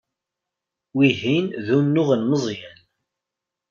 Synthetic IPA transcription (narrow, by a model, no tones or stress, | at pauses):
wiɦinðunːʊʁənməzˤjæn